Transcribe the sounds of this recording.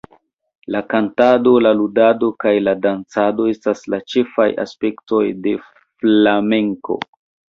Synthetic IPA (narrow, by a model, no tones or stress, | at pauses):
lakantado̞laludado̞kajladant͡sado̞e̞staslat͡ʃe̞faja̰spe̞kto̞jde̞ | flame̞ŋko̞̰